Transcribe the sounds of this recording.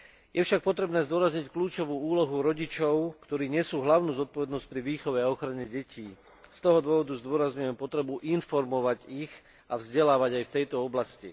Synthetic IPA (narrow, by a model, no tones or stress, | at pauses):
jʔɛfʃak̚pɔt̪ɾɛbnɛːzd̪ʊɔɾazɲickluːt͡ʃɔʋuːuːlɔɦuɾɔɟit͡ʃɔʊkt̪ɔɾiːɲɛsuːɦlaʊnuːzɔt̪̚pɔʋɛd̪nɔsc̚pɾiʋiːxɔʋɛaɔxɾaɲɛɟɛcʰiː | st̪ɔɦɔd̪ʊɔʋɔd̪uzd̪ʊɔɾazɲujɛmpɔt̪ɾɛbuʔinfɔɾmɔʋaɟix | avzɟɛlaːʋaɟajft̪ɛjt̪ɔɔblascḭ